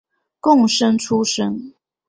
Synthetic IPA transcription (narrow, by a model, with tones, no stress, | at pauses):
kʊ˥˨ŋʂə˦ŋʈ͡ʂʰu˦ʂə˦ŋ